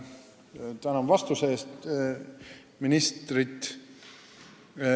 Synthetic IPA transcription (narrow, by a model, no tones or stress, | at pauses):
t̪ænɑnvɑst̪useːst̪ | minist̪rit̪ˑ